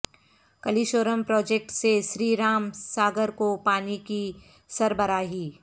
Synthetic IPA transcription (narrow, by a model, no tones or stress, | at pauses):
kɐliːʃoːɾəmpɾɔːd͡ʒeːk̚ʈseʃɾiːɾaːmsaːɡəɾkopaːniki | sɐɾbəɾaːɦiː